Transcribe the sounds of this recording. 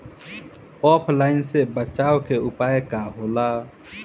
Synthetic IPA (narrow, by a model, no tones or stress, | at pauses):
ɔːpʰlaːɪnsebət͡ʃaːokeʊpaːekaɦoːla